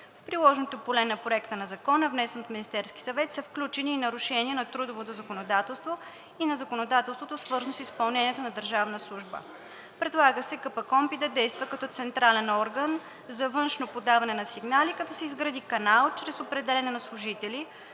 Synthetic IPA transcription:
fpɾilˠɔʒnot̪opolɛnɐpɾoɛkt̪ənɐzɐkɔnəvnɛsɛnot̪minist̪ɛɾsk̟i̥sɐvɛt̪sɐfklʲut͡ʃɛniːnɐɾuʃɛniɛnɐt̪ɾud̪ovot̪ozɐkonod̪at̪ɛlˠst̪vo | inɐzɐkonod̪at̪ɛlˠst̪vot̪osvɤɾznosispɐlˠnɛniɛt̪onɐd̪əɾʒavnəslˠuʒbə̰ | pɾɛd̪lˠaɡəsɛkəpəkɔmpid̪ɐd̪ɛjst̪vəkɐt̪ɔt̪sɛnt̪ɾalɛnɔɾɡən | zɐvɤnʃnopod̪avɐnɛnɐsiɡnalikɐt̪ɔsɛizɡɾɐd̪ikɐnalˠt͡ʃɾɛsopɾɛd̪ɛlʲɛnɛnɐslˠʊʒit̪ɛli

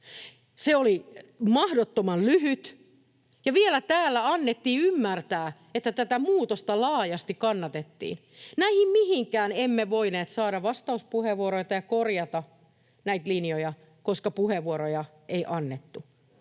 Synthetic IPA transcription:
seolimɑhdot̪ːomɑllyhyt̪ | jɑʋielæt̪æːlːæɑnːet̪ːiːymːært̪æː | et̪ːæt̪æt̪æmuːt̪ost̪ɑlɑːjɑst̪ikkɑnːɑt̪et̪ːḭːn | næihimmihiŋkæːnemːeʋoineːt̪sɑːɾɑʋʋɑst̪ɑuspuheʋuoɾoit̪ɑjɑkorjɑt̪ɑ | næit̪linjojɑ | koskɑpuheʋːuoɾojɑ | ʔeiʔɑnːet̪ːu

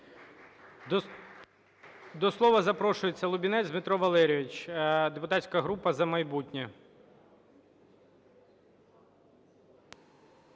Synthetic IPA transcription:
d̪ɔslˠɔʋɐzɐpɾɔʃʊjet͡sʲːɐlˠʊbʲinɛzʲmɪt̪ɾɔʋɐlˠɛɾʲijʋɪt͡ʃd̪epʊt̪atʲsʲkɐɦɾupɐzɐmɐjbutʲnʲɛ

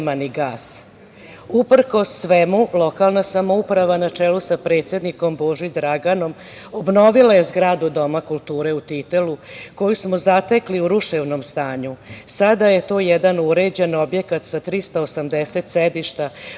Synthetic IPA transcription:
maniɡaːs | upr̩ko̞sːʋemulˠo̞kalˠnasamoupɾaʋanat͡ʂeːlusapɾe̞ːt̪sje̞d̪niko̞mbo̞ʒid̪ɾaɡano̞m | obno̞ʋilˠaje̞zɡɾaːd̪ud̪o̞makulˠt̪uːɾe̞ut̪it̪eluko̞jusmozat̪ekliuɾuʃeʋno̞mst̪aːɲusad̪aje̞t̪o̞ːjed̪anuɾed͡ʑe̞no̞bje̞kat̪sat̪ɾist̪aosamd̪eset̪sed̪iʃt̪a

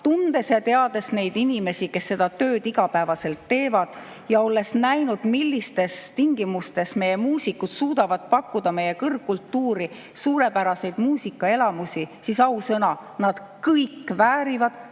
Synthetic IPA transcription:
t̪und̪̥e̞sjɑt̪e̞ɑd̪̥e̞sne̞jd̪inime̞sike̞sːe̞d̪̥ɑt̪ø̞ːd̪iɡ̥ɑpæevɑse̞lt̪ːe̞ːvɑd̪̥ | jɑo̞lːe̞snæjnud̪̥milːist̪e̞st̪iŋɡ̥imust̪e̞sme̞je̞muːsikːut̪suːd̪̥ɑvɑd̪̥̚pɑkːud̪̥ɑme̞je̞kɤrɡ̥kːult̪ːuːɾi | suːɾe̞pæɾɑse̞jd̪̥muːsikːˑɑe̞lɑmusisisɑusɤnɑ | nɑd̪̥kɤjkːˑvæːɾivɑd̪̥

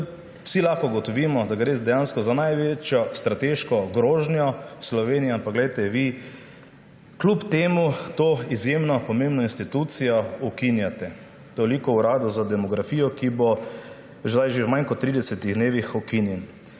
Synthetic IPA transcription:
w̥silaxkɔɡɔt̪ɔʋimɔd̪aɡɾeːzd̪ɛjãnskɔzanajʋet͡ʃjɔst̪ɾat̪eʃkɔɡɾoːʒnjɔslɔʋeːnijaampakɡlɛjt̪ɛʋi | klupt̪eːmut̪oːizjemnɔpɔmẽmbnɔinst̪it̪ut̪sijɔɔkinjat̪ɛ | t̪olikɔuɾaːd̪ɔzad̪ɛmɔɡɾafiːjɔkibo | ʒd̪ajʒewmajnkɔt̪ːɾiːd̪ɛsɛt̪iɣd̪neːʋixɔkinjɛn

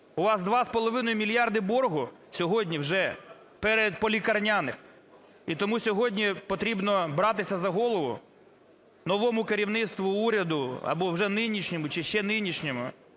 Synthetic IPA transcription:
ʊʋɑsd̪ʋɑspɔlˠɔʋɪnɔjʊmʲilʲjɑrd̪ɪbɔrɦʊsʲɔɦɔdʲnʲiwʒɛ | pɛɾed̪pɔlʲikɐrnʲanɪx | it̪ɔmusʲɔɦɔdʲnʲipɔt̪ɾʲibnɔbɾɑt̪ɪsʲɐzɐɦɔlˠɔʋʊ̰ | nɔʋɔmʊkeɾʲiwnɪt̪st̪ʋʊuɾʲɐd̪ʊɐ̰bɔwʒɛnɪnʲiʃnʲɔmʊt͡ʃɪʃt͡ʃɛnɪnʲiʃnʲɔmʊ̰

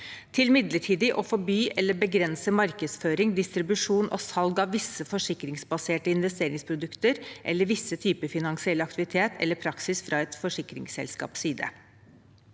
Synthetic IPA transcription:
t̪ʰɪlmɪd̪ləʈʰiːd̪ɪʔɔfɔbyːʔɛlːəbəɡɾɛnsəmɑɾkəsføːɾɪŋd̪ɪst̪ɾɪbʉʂuːnʔɔ̰sɑlɡɑʋʋɪsːəfɔʂɪkɾɪŋsbɑseːʈəɪnʋɛst̪eːɾɪŋspʰɾʊd̪ʉkt̪əɾʔɛ̰lːəɾʋɪsːət̪ʰyːpəfɪnɑŋsɪɛlːəɑkt̪ɪʋɪt̪ʰeːt̪ʰɛ̰lːəpʰɾɑksɪsfɾɑɛt̪fɔʂɪkɾɪ̰ŋsɛ̰lskɑ̰ːpsyːd̪ə̰

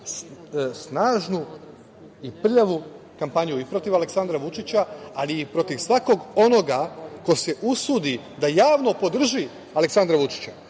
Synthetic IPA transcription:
snaːʒnu | ipr̩ʎaʋu | kampaɲuipɾo̞t̪iʋale̞ksand̪ɾaʋut͡ʃit͡ɕaaliːpɾo̞t̪iʋsʋako̞ɡo̞no̞ɡako̞se̞ʔusud̪i | d̪ajaːʋno̞po̞d̪r̩ʒi | aleksand̪ɾaʋut͡ʃi̥t͡ɕa

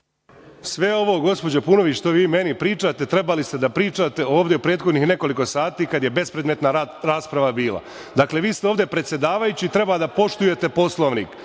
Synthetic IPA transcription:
sʋe̞o̞ʋo̞ɡo̞spo̞d͡ʑopuno̞ʋit͡ɕʃt̪oʋiːme̞nipɾiːt͡ʂat̪e̞t̪ɾe̞balist̪e̞d̪apɾiːt͡ʂat̪e̞o̞ːʋd̪eopɾe̞ːd̪xo̞d̪nixne̞ko̞liko̞saːt̪iːkad̪je̞be̞spɾed̪met̪naɾaːspɾaʋabiːla̰ | d̪akle̞ʋiːst̪eoːʋd̪e̞pɾet̪sje̞d̪aːʋajut͡ɕiːt̪ɾe̞bad̪apo̞ʃt̪uje̞t̪e̞po̞slˠo̞ʋnḭk

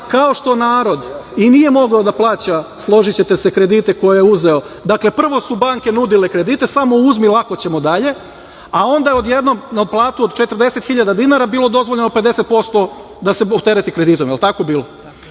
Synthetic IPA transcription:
kao̞ʃt̪o̞naːɾo̞d̪iniːje̞mo̞ɡod̪aplˠaːt͡ɕaslˠo̞ʒit͡ɕe̞t̪e̞se̞kɾe̞d̪it̪e̞ko̞jijeuze̞o̞ | d̪akle̞pr̩ʋo̞subaŋke̞nud̪ile̞kɾe̞d̪it̪e̞samo̞uzmilˠakot͡ɕe̞mo̞d̪aʎe̞ | ao̞nd̪ajeo̞d̪je̞d̪no̞mnaplˠaːt̪uod̪t͡ʃe̞t̪rd̪e̞se̞t̪xiʎad̪ad̪inaɾabiːlˠo̞d̪o̞zʋoʎenope̞d̪e̞set̪̚po̞st̪o̞ | d̪aseot̪eɾet̪ikɾe̞d̪it̪o̞mjelˠt̪akobiːlo̞

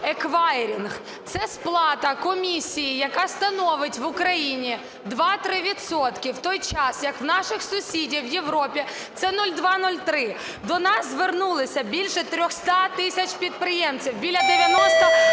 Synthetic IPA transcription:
ekʋɑɪɾʲinɣ | t̪sɛsplˠɑt̪ɐkɔmʲisʲijijɐkɑst̪ɐnɔʋɪtʲʋʊkɾɐjinʲi | d̪ʋɑt̪ɾɪʋʲit̪sɔt̪kɪwt̪ɔjt͡ʃɑsjɐkwnɑʃɪxsʊsʲidʲiwjeʋɾɔpʲi | t̪sɛnulʲd̪ʋɑnulʲt̪ɾɪ | d̪ɔnɑzzʋernulˠɪsʲɐbʲilʲʃɛt̪ɾʲɔxst̪ɑt̪ɪsʲɐt͡ʃpʲid̪̚pɾɪjemt͡sʲiwbʲilʲɐd̪eʋʲjɐnɔst̪ɔ

